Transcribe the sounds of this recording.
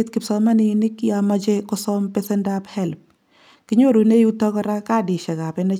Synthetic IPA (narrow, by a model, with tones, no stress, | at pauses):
t̪ki˨psɔ˦ma˦ni˦ni˦kjama˦t͡ʃe˦kɔ˦sɔmpe˦sɛ˦ndaphɛlp̚ | ki˦ɲo˦ɾu˨ne˦ju˦tɔ˦kɔ˦ɾa˦ka˦di˨ʃɛ˨ka˨pe˨nɛ˦